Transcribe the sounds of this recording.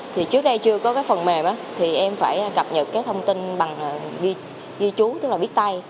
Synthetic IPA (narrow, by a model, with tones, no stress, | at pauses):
t̪ʰi˨˩t͡ɕɨ˦˥ək̚ɗə˧jt͡ɕɨ˧əkɔ˨˦kaː˨˦jfə˨˩nmɛ˨˩mʔaː˨˦t̪ʰi˨˩ʔɛ˧mfaː˧˩jkaə˨˩p̚ɲə˨˩t̚kaː˨˦jt̪ʰə˧wŋ͡mt̪i˧nɓa˨˩ŋ˨˩zi˧ | ɣi˧t͡ɕu˨˦t̪ɨ˦˥k̚laː˨˩ɓi˦˥k̚t̪a˧j